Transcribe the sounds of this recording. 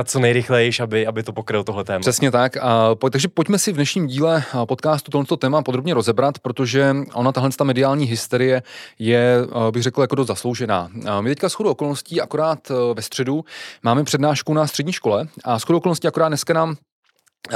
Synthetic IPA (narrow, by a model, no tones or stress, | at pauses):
t͡sonɛjɾɪxlɛjʃabɪabɪt̪opokɾɪlt̪oɦlɛt̪ɛːmr̥ɛsɲɛt̪akːpt̪aɡʒɛpocmɛsɪvdnɛʃɲiːmɟiːlɛpo̞t̪kaːst̪ut̪ɦlɛnst̪ot̪ɛːmapod̪ɾobɲɛɾo̞zɛbɾat̪pɾo̞t̪o̞ʒɛʔonat̪aɦlɛnst̪amɛdɪaːlɲiːɦɪst̪ɛɾɪjɛjɛbɪɣrɛkl̩jakodos̬t̪zaslowʒɛna̰ːmɪt̪ɛckasxodoʔoko̞lnosciːʔakoɾaːt̪vɛst̪r̝̥ɛdumaːmɛpr̝̥ɛdnaːʃkunast̪r̥ɛdɲiːʃko̞lɛʔasxodɾoʔokolnosciakoɾaːd̪nɛskanaːm